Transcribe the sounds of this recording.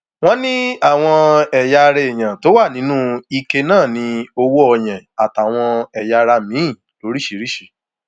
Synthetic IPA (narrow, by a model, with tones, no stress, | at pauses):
w̃ɔ̃˦nĩ˦a˦˨w̃ɔ̃˧ɛ˨ja˧ɾɛ˧e˨j̃ã˨to˨˦wa˦˨nĩ˨˦nũ˦i˧ke˧nãː˦˨nĩ˧o˧wo˦ɔ˧j̃ɛ̃˨a˨ta˨w̃ɔ̃˧ɛ˨ja˧ɾa˧mĩ˨˦ĩ˦˨ | lo˨˦ɾi˦˨ʃi˨˦ɾi˦˨ʃe˨